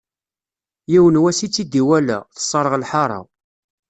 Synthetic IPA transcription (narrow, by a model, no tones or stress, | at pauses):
jiwənwæsit͡sːid̪iwælæ̰θə̥sˤːɑɾˤəʁlħɑɾˤɑ̰